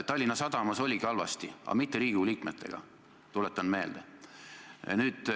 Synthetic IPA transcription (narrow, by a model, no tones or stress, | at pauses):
t̪ɑlʲːinːɑsɑd̪̥ɑmɑso̞lʲiɡiɑlvɑst̪iɑ̰mit̪ːeɾiːɡ̥uliːkmet̪ːˑe̞̰ɡ̥ɑ̰ | t̪ulet̪ːˑɑnme̞ːld̪̥ḛ | nyːd̪̥